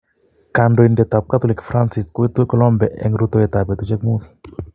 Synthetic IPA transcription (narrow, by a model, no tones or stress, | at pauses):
kandɔindɛt̪ap̚kat̪ɔlɪkfɾansɪskwit̪ukɔlɔmbɛʔɛ̰ŋɾut̪ojɛt̪apɛt̪ut͡ʃɛkmun